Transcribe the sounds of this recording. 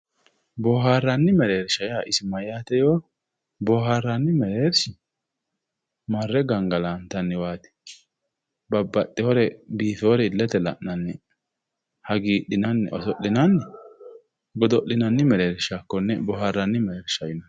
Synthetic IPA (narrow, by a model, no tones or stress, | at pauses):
bɔːɦaːrːɐnːɪmɛɾeːɾʃɐjaʔɪsɪmɐjaːt̪ɛjoː | bɔːɦarːanːɪmɛɾeːɾʃɪ | mɐrːɛɡɐŋɡɐlaːnt̪ɐnːɪwaːt̪ɪ̥ | bɐbːɐtːɪhɔɾɛbiːfɛɔɾɛɪlːɛt̪ɛlɐ̰ʔːɐnːɛ | hɐɡiːɗɪnɐnːɛ̰ʔɔsɔʔːɪnɐnːɛ | bɔd̪ɔʔɪnɐnːɪmɛɾeːɾʃakːɔnːɛbɔharːɐnːɪmɛɾeːɾʃɐjɪnɐ